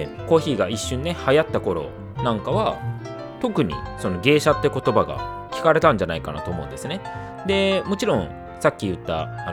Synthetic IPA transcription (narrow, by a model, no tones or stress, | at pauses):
ko̞ːçiːɡaiɕːɨ̃nːe̞hajat̪ːako̞ɾo̞̰ | nãŋkaβa | t̪o̞kɯ̟ɲ̟ḭso̞no̞ɡe̞ːɕat̪ːe̞ko̞t̪o̞baɡa̰ | kʲi̥kaɾe̞t̪ãɲ̟d͡ʑanaikana̰t̪oːmo̞ɯ̃nd̪e̞sɨne̞ | d̪e̞mo̞t͡ɕiɾõ̞ŋ̃ | sakʲːijɯ̟t̪ːa̰a